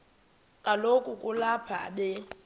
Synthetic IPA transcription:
kʼalokʼukʼulapʰa̰ɓɛ

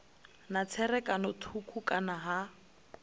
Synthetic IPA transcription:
nat͡sʰɛrɛkʼanɔtʰukʰukʼanaɦa

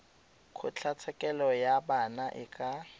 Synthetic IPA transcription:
kʰʊt͡ɬʰat͡sʰɛkʼɛlɔjabanaʔɪkʼa

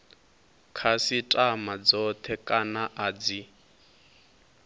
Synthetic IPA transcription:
kʰasitʼamad͡zɔt̪ʰɛkʼanaʔaːd͡zi

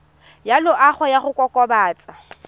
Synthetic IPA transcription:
jalʊʔaχɔjaχʊkʼɔkʼɔbaːt͡sʼa

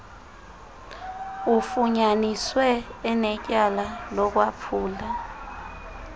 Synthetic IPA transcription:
ufuɲaniswɛɛnɛcʼalalɔk̬wapʰuːla

